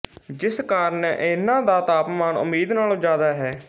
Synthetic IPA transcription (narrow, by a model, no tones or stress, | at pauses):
d͡ʒɪskaːɾnɛʔenãːd̪aːt̪aːpmaːnʊ̰miːd̪naːlːd͡ʒaːd̪aːɦɛː